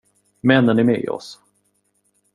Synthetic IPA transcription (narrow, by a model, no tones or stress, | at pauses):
mɛnːənæɾmɛːɪ̰ːɔ̰s